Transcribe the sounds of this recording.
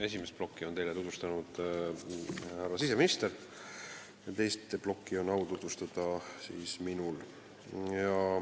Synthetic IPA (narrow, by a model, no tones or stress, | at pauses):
e̞sʲimest̪̚blo̞kːˑiont̪ejlet̪ut̪vust̪ɑnud̪̥ | hærːɑsiseminist̪eɾ | t̪e̞jst̪b̥lo̞kːˑio̞nːɑwt̪ut̪vust̪ɑd̪̥ɑsiːsminul | jɑ